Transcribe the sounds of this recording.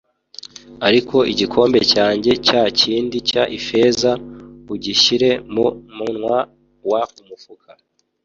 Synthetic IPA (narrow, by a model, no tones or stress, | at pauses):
aɾiko̞ʔiɟikʰo̞ːmbe̞caːɲɟe̞caciːndicaʔife̞ːzauɟiʃiɾe̞mumunŋwa | waumufukʰa